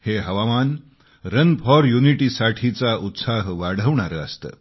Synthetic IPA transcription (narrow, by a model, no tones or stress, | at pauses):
heɦəʋaman | ɾənpʰɔɾjuniʈiːsaʈʰit͡saʔut̪saɦʋaɽ̤ʱəʋɳaɾəəst̪ə̰ː